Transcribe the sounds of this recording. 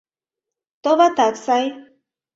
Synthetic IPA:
t̪oβat̪aksaj

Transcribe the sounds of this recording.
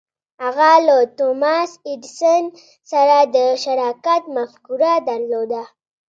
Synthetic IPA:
haɣalat̪omɑsɪdsən | saɾad̪əʃaɾɑkat̪mafkuɾad̪aɾlod̪a

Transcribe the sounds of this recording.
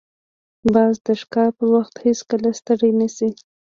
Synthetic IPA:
bɑzd̪əʃkɑpəwaxt̪heskəlast̪əɽajnasi

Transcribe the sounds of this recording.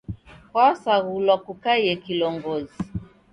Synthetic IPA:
kwasaɣulwakukajɛkilɔŋɡɔzi

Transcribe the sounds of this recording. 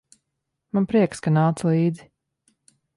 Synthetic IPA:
manpɾiɛkskanaːt̪slˠiːd̪zi

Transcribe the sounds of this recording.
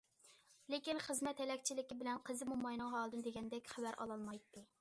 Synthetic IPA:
lekʲinχəzmɛt̪hɛlɛkʲt͡ʃʰilɪkʲibɪlɛnqʰəzɪmumɑjnɨŋɦɑːlˠɨd̪ɨnɨd̪eɡʲɛnd̪ɛkʲχævæɾʔɑ̰lˠɑlˠmɑjt̪ʰːɨ

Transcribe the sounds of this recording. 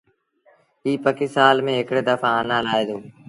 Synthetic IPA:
ɦiːpəkɪsaːlmẽːɦɪkɽeːd̪əfãːənãːlaːeːd̪oː

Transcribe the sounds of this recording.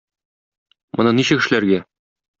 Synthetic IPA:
mɤ̆nɑniɕɘkɘ̆ʃɘ̆læɾɡæ

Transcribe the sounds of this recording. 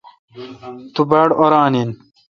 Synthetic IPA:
t̪ubɐɽoɾaːnin

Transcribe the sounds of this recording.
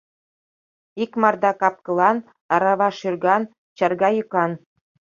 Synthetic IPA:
ikmɑrd̪ɑkɑp̚kɤ̆lˠɑn | ɑɾɑβɑʃyrɡɑn | t͡ɕɑrɡɑjukɑn

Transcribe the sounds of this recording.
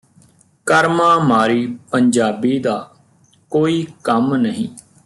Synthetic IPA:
kəɾmãːmaːɾiːpəɲd͡ʒaːbiːd̪aː | koːiːkəmnəɦĩː

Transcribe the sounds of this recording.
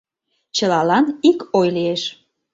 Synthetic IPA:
t͡ɕəlɑlɑnikojlieʃ

